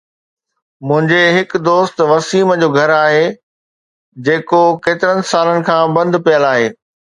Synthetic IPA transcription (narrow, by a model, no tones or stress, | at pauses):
mʊ̃ɦɪ̃ɲd͡ʑeɦɪkd̪oːst̪ʋɐsiːməd͡ʑoːɡʱɐɾaːɦeː | d͡ʑeːkokeːt̪ɪɾənɪ̆saːlənɪ̆kʰãːbɐ̃nd̪pijəlaːɦeː